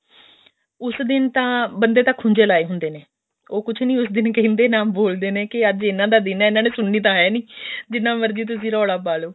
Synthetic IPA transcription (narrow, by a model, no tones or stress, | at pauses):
ʊsd̪ɪnt̪ãːbənd̪eːt̪əkʰhʊnd͡ʒeːlaːeːɦʊnd̪eːneː | oːkʊt͡ʃʰnĩːʊsd̪ɪnkəɦĩːnd̪eːnaːmboːld̪eːneːkɪəd͡ʒɪnːãːd̪aːd̪ɪnɛːɪnãːnẽːsʊɳːiːt̪̬ãːɦɛːniːd͡ʒɪnːãːməɾd͡ʒiːt̪̬ʊs̬ĩːɾɔːɽaːpaːloː